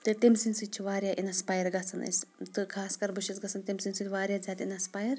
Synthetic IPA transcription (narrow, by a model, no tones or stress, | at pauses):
t̪ɨt̪emʲsinʲsɨt͡ʃʰiʋaːɾʲjaːʔinɐspaːjɐɾɡɐt͡sʰɐnɐ̰sʲt̪ɨkʰaːskɐɾbɨʃisɡɐt͡sʰɐnt̪ʲemsinʲsɨt̪ʲʰʋaːɾʲjaːzʲaːt̪ʲinɐspaːjɐɾ